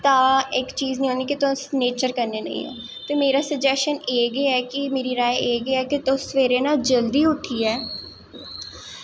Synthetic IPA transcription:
t̪ãːɪkt͡ʃiːznĩːɦoːniːkɪt̪ʊsneːt͡ʃəɾkəɾneːnə̰ḭ̃ːɛ̰̃ː | t̪eːmeːɾaːsəd͡ʒɛːst͡ʃəneːɡeːɛːkɪmeːɾiːɾaːeeːɡəeɛːkɪt̪ʊ̃sʋeːɾeːnaːld͡ʒəld̪iːʊʈʰːiːɛː

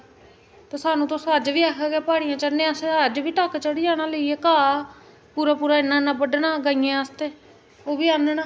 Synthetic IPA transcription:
t̪eːsaːnũːt̪ʊsəd͡ʒʋiːɛːkʰaːɡɛːpaːɽijãːt͡ʃəɽnẽːəsəd͡ʒʋiːʈəkːt͡ʃəɽiːd͡ʒaːɽãːləiːeːkaː | puːɾaːpuːɾaːɪnːãːnãːbəɖnãːɡaijãːəst̪eː | oːʋiːaːnnaː

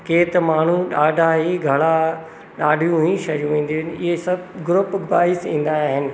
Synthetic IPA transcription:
keːt̪maːɳ̤uɗaːɖʱaɦiɡʱɐɭa | ɗaːɖʱijũĩʃɐjũĩːn̆d̪iɦɪnɪɦesɐbɡɾʊpbaːɪsĩːn̆d̪aɦɪnɪ̆

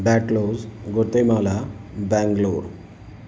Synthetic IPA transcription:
bæʈlozɡoɾt̪emalabæŋɡloɾ

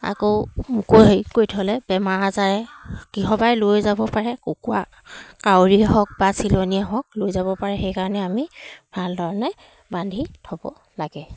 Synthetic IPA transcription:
a̰komkoɦjkojtʰɔlɛbɛmaɹazaɹɛkiɦɔbajlojzabɔpaɹɛkokuwa̰ | kawɹiɛɦɔk̚basiloniaɦɔk̚lojzabɔpaɹɛxejkaɹɔnɛamib̥ʱaldʱɔɹɔnɛ | bandʱitʰɔbɔ̰ | laɡɛ

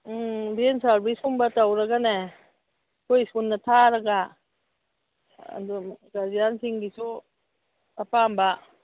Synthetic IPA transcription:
bensaɾbisuŋbatawɾaɡane | kʰojsunːɐtʰaɾɐɡa | duɡazijansiŋɡisu | apamba

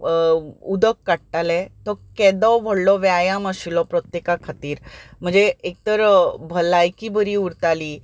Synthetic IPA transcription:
ud̪əkːaʈʈalɛt̪ɔkɛd̪ɔwʋʱəɽlɔʋjajaməsilɔpɾɔt̪jekakʰət̪iːɾm̤əɳd͡zeek̚t̪əɾbʱəlajkibəɾiuɾt̪aliː

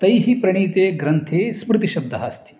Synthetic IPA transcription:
t̪ɐjɦipɾɐɳ̃iːt̪eːɡɾɐnt̪ʰeːsmɾɪt̪iʃɐb̚d̪ʱːɐɦa̰ːst̪i̥

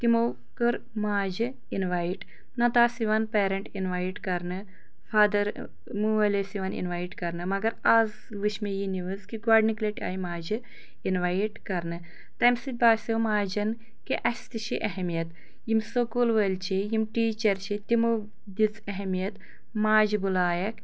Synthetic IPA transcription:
t̪imo | kəɾ | maːd͡ʒɨ | inʋaːjʈ | nɐt̪aːsiʋɐnpeːɾɐɳʈinʋaːjʈkɐɾnɨ | faːd̪ɐɾ | muʋɐlʲesiʋɐnḭnʋajʈkɐɾnɨmɐɡɐɾaːz | ʋɨʃmejiniʋɨzkiɡwaːɖnikleʈʲa̰ːjmaːd͡ʒɨ | inʋajʈkɐɾnɨ | t̪ɐmsit̪̚baːsɐmaːd͡ʒɐn | kiʔɐsʲt̪ɨt͡ʃʰiʔɐɦemijɐt̪ | jimsokuːlʋɐlʲt͡ʃʰijimʈiːt͡ʃɐɾt͡ʃʰit̪imo | d̪it͡sɐɦmijɐt̪ | maːd͡ʒibulaːjɐk

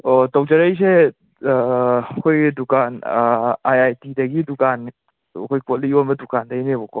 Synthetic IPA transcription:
otɔwd͡ʒɐɾɐjs̬e | kʰojdukan | ajajtidɐɡidukan̰ | kʰojpɔtlionmbɐdukandɐinebɔkʰɔ

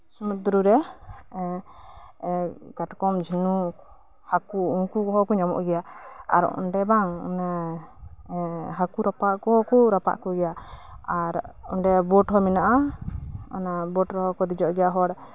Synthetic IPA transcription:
sumɛt̪̚d̪uɾuɾɛ | ɡaʈkɔmd͡ʒʱinu | hakuuŋkukɔɦɔkɔɲamɔ̰ʔɡɛjaa̰ɾɔ̰nɖɛbaŋɔ̰na | ɦakuɾapaʔkɔɦɔkuɾapa̰ʔkɔɡɛjaaɾɔ̰nɖɛbɔʈɦɔminaʔa | ɔ̰nabɔʈɾɔɦɔkɔd̪id͡ʒɔʔɡɛjaɦɔɽ

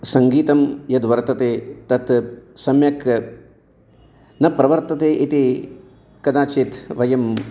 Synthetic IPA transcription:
sɐŋɡiːt̪ɐmjɐd̪ʋɐɾt̪ɐt̪eːt̪ɐt̪sɐmjɐk | nɐpɾɐʋɐɾt̪ɐt̪eːʔit̪i | kɐd̪aːt͡ʃit̪ʋɐjɐm

